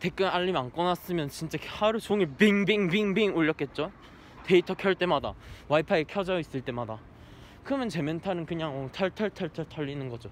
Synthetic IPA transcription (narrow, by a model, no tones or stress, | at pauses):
te̞k͈ɯnaʎːimank͈ʌnas͈ɯmjʌnt͡ɕint͡ɕ͈ahaɾut͡ɕoŋiɭbiŋbiŋbiŋbiŋoʎːʌk͈̚e̞t̚t͡ɕ͈o | te̞itʰʌkʰjʌɭt͈e̞madawaipʰaekʰjʌd͡ʑʌis͈ɯɭt͈e̞mada | kɯmjʌnt͡ɕe̞mjʌntʰanɯnkɯɲaŋʌtʰʌɭtʰʌɭtʰʌɭtʰʌɭtʰʌʎːinɯnɡʌd͡ʑo